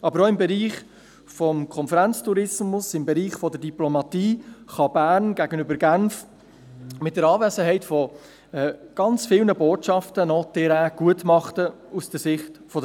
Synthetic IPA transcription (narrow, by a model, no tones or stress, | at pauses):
ɑbəɾɔɪmbɛɾiːχ | fɔmkʰɔnfəɾænt͡stuɾɪsmʊsɪmbɛɾiːχfɔdəɾdiplomɑtiːχɑbæːɾnɡ̥æɡənʏbəɾɡænf | mɪt̚d̥əɾɑːveːsəɦɛɪtfɔ | ɛːɡ̥ɑnt͡sfɪlnəboːtʃɑftənɔːdeɾæːɡ̥uətmɑχtə | usd̥əɾsɪχtfɔd